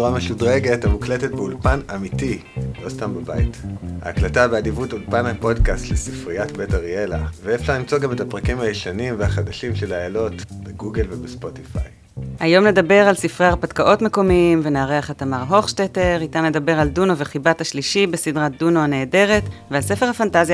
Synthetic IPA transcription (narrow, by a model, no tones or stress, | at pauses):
suʁameʃudʁeɡe̞thamukletet̚beulpanamiti | lo̞stambabaḭtha̰ːklatabeadivutulpanhapo̞dkastlesifʁiatbetaʁielaveefʃalimt͡so̞ɡame̞tapʁakimhajiʃanimvehaχadaʃimʃe̞laelo̞tb̥eɡuɡelvebespo̞tifa̰j | ʔajo̞mne̞dabe̞ʁalsifʁeaʁpadkaʔo̞tmeko̞miimvenaaʁeaχetamaʁɦo̞χʃteteʁitamle̞dabe̞ʁalduno̞ve̞χibathaʃliʃibesidʁat̚duno̞aneːde̞ʁe̞tvealse̞fe̞ʁhafantazja